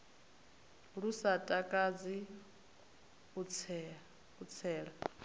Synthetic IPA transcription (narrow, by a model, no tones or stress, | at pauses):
ɺusatʼakʼad͡zi | ut͡sʰɛ | ut͡sʰɛːɺa